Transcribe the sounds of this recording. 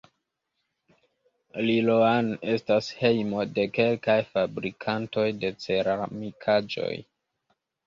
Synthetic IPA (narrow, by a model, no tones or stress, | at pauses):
liloane̞stashe̞jmo̞de̞ke̞lkajfabɾikʰanto̞jde̞t͡se̞ɾamikʰad͡ʒo̞̰j